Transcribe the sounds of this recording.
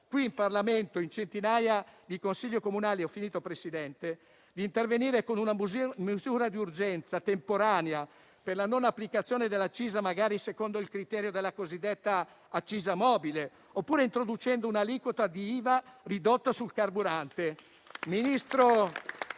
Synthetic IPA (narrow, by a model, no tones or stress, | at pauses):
kwiːmparlament̪oint͡ʃent̪inaːjad̪ikonsiʎːokomunaːleɔfːiniːt̪opɾesid̪ɛnt̪e | d̪iːnt̪erveniːɾekonunamezuːɾad̪iurd͡ʒɛnt̪sat̪empoɾaːnea | perlanonapːlikat̪sːjoːned̪elːat͡ʃːiːzamaɡaːɾisekond̪oilkɾit̪ɛːɾjod̪elːakozid̪ːet̪ːaː | t͡ʃːiːzamɔbile | opːuːɾeint̪ɾod̪ut͡ʃɛnd̪ounalikwot̪ad̪iiːvarid̪ot̪ːasulkarbuɾant̪e | minist̪ɾo